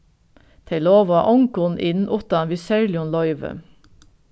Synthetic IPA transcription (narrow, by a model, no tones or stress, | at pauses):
t̪ʰɛɪloːʋɑ̰ːʔɔŋkʊnʔɪnn̩ʔut̪ɑnʋisɛɹlɪɔnlɔʏʋə̰